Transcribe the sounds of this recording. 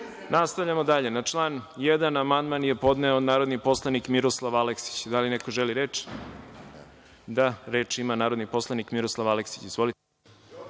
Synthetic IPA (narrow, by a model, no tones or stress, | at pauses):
nast̪aʋʎamod̪aʎe̞nat͡ʂlˠaːnjed̪anamand̪manje̞po̞d̪neonaːɾod̪nipo̞slˠanikmiɾoslˠaʋaleksi̥t͡ɕd̪alineko̞ʒeliɾeːt͡ʃ | d̪aɾe̞ːt͡ʂimanaːɾod̪nipo̞slˠanikmiɾoslˠaʋaleksi̥t͡ɕizʋo̞lit̪e